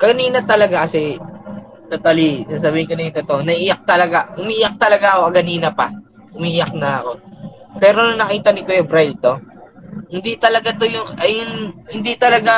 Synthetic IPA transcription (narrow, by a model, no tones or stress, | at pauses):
kɐniːnɐt̪ɐlɐɡakɐsɛ | t̪ot̪alisaːs̬ɐbiːhɪŋkonɐjʊnt̪ot̪oʔnɐʔijɐk̚t̪ɐlɐɡaʔʊmiʔɪjɐk̚t̪ɐlɐɡaʔɐkokɐɡɐniːnɐpɐ̰ | ʔʊmiʔɪjɐk̚nɐɐko̞ | pɛːɾonɐŋnɐkiːt̪ɐnɪkojʊŋbɾajlt̪o̞ | hɪnd̪it̪ɐlɐɡat̪o̞jʊŋɐjʊŋhɪnd̪it̪ɐlɐɡa